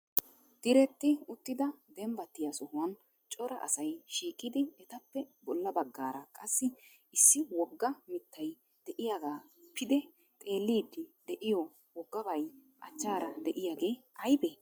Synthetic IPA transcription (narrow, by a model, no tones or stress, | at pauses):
d̪̥ɪɾɛt̪ːɪʊt̪ːɪd̪ɐd̪ɛmbɐt̪ːɪjɐsɔhʊwɐn | t͡ʃʼɔɾɐʔɐ̰sɐjʃiːkʼːɪd̪ɪɛt̪ɐpːɛbɔlːɐbɐɡːaːɾɐkʼɐsːɪ | ɪsːɪwɔɡːɐmɪt̪ːɐj | d̪̥ɛʔɪjaːɡaː | pʰːɪd̪ɛ | t̪ʼe̞ːlːiːd̪ːɪd̪̥ɛʔɪjɔ | wɔɡːɐbɐj | ʔɐ̰t͡ʃːaːɾɐd̪ɛʔɪjaːɡe̞ːɐjbe